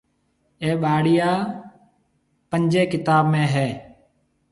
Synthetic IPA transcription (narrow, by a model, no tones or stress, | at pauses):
eːɓaːɽijaː | pəɲd͡ʒeːkɪt̪aːbmẽːɦeː